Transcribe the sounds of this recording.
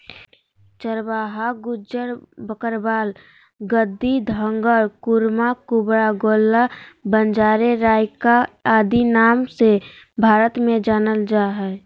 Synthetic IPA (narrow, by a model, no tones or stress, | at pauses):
t͡ʃəɾbaːɦaɡʊd͡ʒəɾbəkəɾbaːl | ɡəd̪ːid̪ʱə̃ŋɡəɾkʊɾmakubɾaɡoːlːabənd͡ʒaːɾeɾaːjkaaːd̪inaːmse | bʱaːɾət̪mẽd͡ʒaːnəld͡ʒaːɦɛ